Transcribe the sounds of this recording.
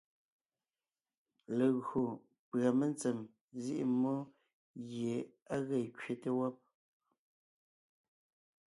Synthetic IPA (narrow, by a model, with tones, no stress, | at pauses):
le˨ɣo˨ | pɰa˨me˦nt͡se˨m | zi˦ʔḭ˦mo˦ | ɣje˨a˦ɣe˨kɥe˦te˦˨wɔ˦p̚